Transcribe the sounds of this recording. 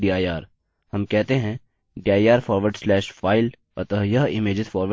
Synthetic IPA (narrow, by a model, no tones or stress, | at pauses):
ɖiːaːjaːɾ | hɐmkɛɦt̪eɦɛ̃ | ɖiːaːiaːɾfɔːɾʋəɾɖslɛːʃfaːɪl | ɐt̪əɦjɐɦɪmeːd͡ʒɪd̪fɔːɾʋə